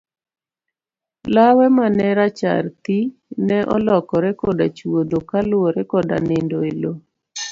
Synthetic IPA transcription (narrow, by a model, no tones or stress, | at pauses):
lawɛmanɛɾat͡ʃa̰rt̪inɛʔɔ̰lɔkɔɾɛkɔdat͡ʃwod̪okalʊoɾɛkɔda̰nɪndoelo